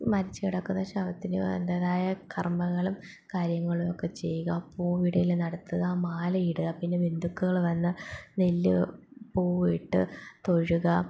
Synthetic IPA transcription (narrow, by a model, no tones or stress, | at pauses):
mɐɾit͡ɕːɨkiɽɐkːunːɐɕɐʋɐt̪ːinɨḛnd̪ɐːðaːjɐkʰɐrmɐɣːɐɭum | kaːɾjɐŋːɐɭumo̞kːe̞t͡ɕe̞jːuɣɐpːoʋiɽɐjilnɐɽɐt̪ːɐðɨaːmaːlɐiɽɨɣɐpinːe̞ʋind̪ʱukːuɣɐɭʋɐnːɨnelːɨ̰poːʋijiʈːɨt̪o̞ɻuɣɐ